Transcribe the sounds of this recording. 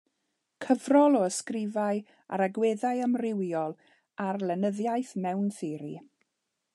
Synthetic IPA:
kʰəvrɔlˠɔəskrɪvaj | a̰ɾaɡweːðajəmrɪwjɔlˠ | arlˠɛnəðjajθmɛwnθɪɾḭ

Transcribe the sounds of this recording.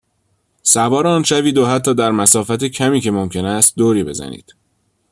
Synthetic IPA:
sævɒːɾɒːnʃæviːd̪ohæt̪ʰːɒːd̪æɾmæsɒːfæt̪ecʰæmiːce̞momcʰe̞næst̪̚d̪oːɾiːbe̞̰zæ̰nḭːd̪̥

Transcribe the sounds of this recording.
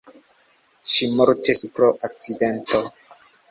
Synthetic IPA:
ʃimoɾtespɾoʔak̚t͡sidento

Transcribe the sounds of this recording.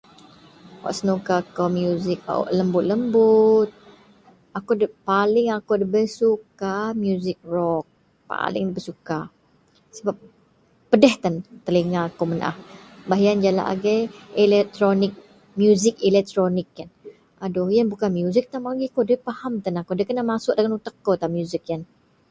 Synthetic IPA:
wa̰ʔsənukakawmjuzɪk̚ʔləmbʊt̪̚ləmbʊt̪̚ | akodəpalɪŋakodəbəsukamjuzɪk̚rɔk̚ | pa̰lɪ̰ŋdbəsuka | səbap̚ː | ədɛht̪ant̪əliŋaːkomənʔa̰hbaɦijand͡ʒala̰ʔa̰ɡɛɛlɛt̪ɾonɪk̚ | mjuzɪk̚ilɛk̚t̪ɾonɪkːan | adɔhjanbukanmjuzɪk̚t̪amalɡiakodəpahamt̪anakodəkənamasʊʔ̚dəŋanut̪əkːot̪amjuzɪk̚jan

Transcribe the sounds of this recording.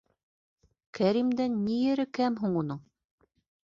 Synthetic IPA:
kʰæɾimd̪ænːijɘ̆ɾɘ̆kæmɦuɴunɤɴ

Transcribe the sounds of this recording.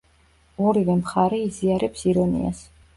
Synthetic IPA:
ɔɾivɛmχaɾɛiziaɾɛpsiɾɔnḭa̰s

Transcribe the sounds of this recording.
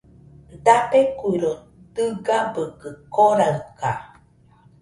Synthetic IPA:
d̪apekʷuiɾo | t̪ɨɡabɯkɯkoɾaɯka

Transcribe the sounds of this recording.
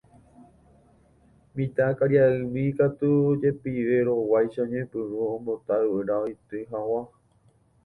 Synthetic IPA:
mĩt̪akaɾjaɨmĩkat̪ud͡ʒe̞piʋe̞ɾo̞wajʃaɲẽpɨɾuõmbot̪aɨɨɾaojt̪ɨɦawa

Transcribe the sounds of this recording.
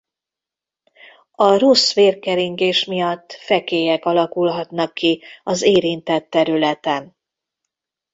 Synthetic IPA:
ɒrosʋeːrkɛɾiŋɡeːʃmijɒt̪ːfɛkeːjɛkɒlɒkulɦɒt̪nɒkːiɒzeːɾint̪ɛt̪ːɛɾylɛt̪ɛn

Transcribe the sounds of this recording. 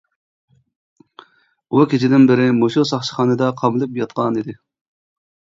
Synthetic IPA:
ukʲʰit͡ʃʰɪd̪ɪnbɪɾɪmoʃusɑχʃə̥χɑːnɨd̪ɑqʰɑmɨlˠɨpjɑt̪̚qɑnid̪ɪ

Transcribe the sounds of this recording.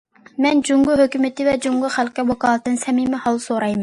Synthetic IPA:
mɛnd͡ʒuŋɡuɦøkʲymɪt̪ɪvɛd͡ʒuŋɡʊχælqʲɛwɑkɑːlˠɨt̪ɨnsɛmimɪhɑlˠsoɾɑjmɛn

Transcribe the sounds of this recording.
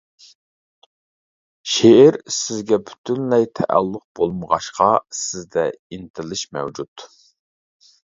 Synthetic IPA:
ʃeɪɾsɪzɡʲɛbʰy̥t̪ʰynlɛjt̪ʰɛʔæ̰lˠːʊq̚b̥olˠməʁɑʃqɑsɪzd̪ɛint̪ʰɪlˠɪʃmɛ̰wd͡ʒut̪

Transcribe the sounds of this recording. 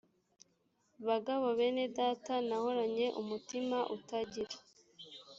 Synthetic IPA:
βaɡaβoβenedatanaho̞ɾaɲe̞ʔumutimaʔutaɟiɾa

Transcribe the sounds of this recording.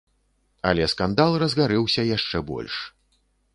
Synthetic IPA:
ɐlʲɛskand̪alˠrɐzɣaɾɛwsʲɐjaʂt͡ʂɛbɔ̰lʲʂ

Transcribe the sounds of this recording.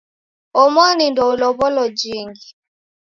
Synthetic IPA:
ɔmɔnindɔulɔβɔlɔd͡ʒiŋɡi

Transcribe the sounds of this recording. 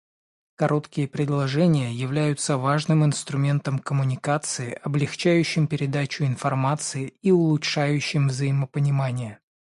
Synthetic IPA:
kɐɾʔo̞t̪kʲɪjəpɾʲɪd̪lˠɐʐɛnʲɪjəjɪvlʲæjʊt̪səvaʐnɨmɪnst̪ɾʊmʲe̞nt̪əmkəmʊnʲɪkat̪sɨɪʔɐblʲɪxt͡ɕæjʉɕːɪmpʲɪɾʲɪd̪at͡ɕʊɪnfɐrmat̪sɨɪiʊlˠʊtʂajʉɕːɪmvzəjɪməpənʲɪmanʲɪjə

